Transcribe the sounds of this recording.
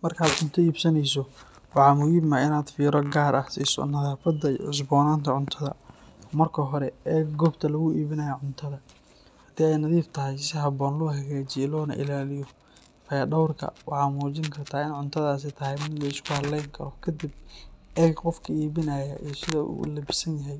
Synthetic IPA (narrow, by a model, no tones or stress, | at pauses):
mɐrkʰaːd̪ʕʊnt̪ʰɐiːbsɐnɛjs̬ɔ | wɑħɑːmʊiːbmɐɪnaːd̪fiːɾɔɡaːɾʔɐhsḭːsɔ̰nɐðaːfɐd̪ɐiʊs̬bɔːnaːnt̪ʰɐʕʊnt̪ʰɐðɐ̰ | mɐrkʰɐɦɔɾɛɛːɡɡɔːbt̪ʰɐlɐɣʊʔiːβɪnɐjɐʕʊnt̪ʰɐðɐ | hɐd̪iːɛjnɐðiːft̪ʰɐɦɛjsɪɦɐbɔːnlɔːɦɐɣaːt͡ʃɪlɔːnɐ̰ʔɪ̰laːlɪjɔ | fɐjɐɖɐwrkʰɐ̰wɑħɑːmuːt͡ʃɪŋkʰɐrt̪ʰaːɪnʕʊnt̪ʰɐðaːs̬ɛt̪ʰɐɦɛjmɪd̪lɛɪskʰʊhɐdlɛjŋkʰɐɾɔkʰɐd̪ibɛːɡqɔfkʰɐiːβɪnɐːjɐ̰ʔisɪðɐṵlɐbɪsɐnjɐɦɛj